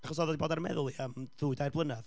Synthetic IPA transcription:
aχɔsɔːðɔdiboːdaɾmɛ̰ðʊlˠiəmðuːɨdajrblˠənað

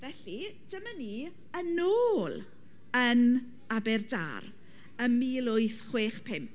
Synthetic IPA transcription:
vɛɬid̥əməniː | ənoːlˠ | ən | abɛrda̰r | əmiːlˠʊɨθχweːχpʰɛmp

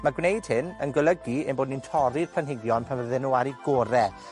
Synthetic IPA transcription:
maɡwnejd̥̚hɪnənɡəlˠəɡiɛmboːdnintʰɔɾid̥pʰlanɦɪɡjɔnpʰanvəðɛnuaɾiɡoːɾɛ

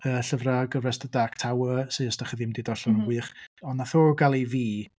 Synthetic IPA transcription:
əːɬəvraɡəvɛsdədaktʰawəsɨəsdaχəðimdidɔɬɔnəɡwɨːχɔnːaθoːrɡalˠiviː

